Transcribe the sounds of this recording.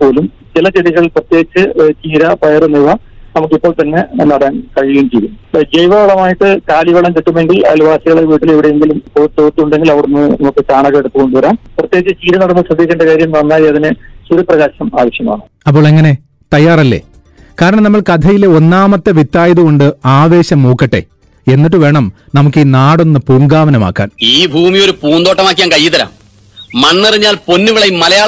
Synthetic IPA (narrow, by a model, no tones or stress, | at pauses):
po̞ːlum | t͡ɕilɐt͡ɕeɽiɣɐɭilprɐt̪jeːɡit͡ɕːɨt͡ɕiːɾɐpɐjɐrɨniʋɐ | nɐmuk̬ːipːoːɭt̪ɐnːe̞nɐɽɐːnkɐɻiɣejumt͡ɕejɾunːud͡ʑejʋɐʋɐɭɐmaːjiʈːɨkaːliʋɐɭɐmt͡ɕ̪iʈːume̞ŋɡilɐ̰lʋaːɕɐɣɐɭeʋiːʈːileʋiɽejeŋɡilumpoːt̪oːt̪ːiuɳɖe̞ŋɡilɐʋɐɽunːɨnɐmukːɨt͡ɕaːɳɐɣɐeɽut̪ːɨko̞ɳɖuʋɐɾaːnprɐt̪jeːɡ̚it͡ɕːɨt͡ɕiːɾɐnɐɽɐmːɨʂrɐd̪ʱːiːkʲːeɳɖɐkaːɾjɐmnɐnːaːjiɐðinɨsuɾuprɐɣaːɕɐma̰ːʋɐɕjɐma̰ːɳɨ̰ | ɐp̬ːoːɭeŋːɐne̞ | t̪ɐjːaːrɐlːḛː | kaːɾɐɳɐmnɐmːɐɭkɐd̪ʰʱɐjileo̞nːaːmɐt̪ːeʋit̪ːaːjɐðuko̞ɳɖɨaːʋe̞ːɕɐmːuːkːɐʈːe̞̰ | e̞nːiʈːɨʋe̞ːɳɐmnɐmukːiːnaːɽo̞nːɨpuːŋɡaːʋɐnɐma̰ːkːa̰ːniːbʱuːmijo̞ɾupuːnd̪o̞ːʈːɐmaːk̬ʲːijaːnkɐjːiðɐɾɐ̰m | mɐnːiriɲːaːlpo̞nːuɣɐɭɐjmmːɐlɐjaː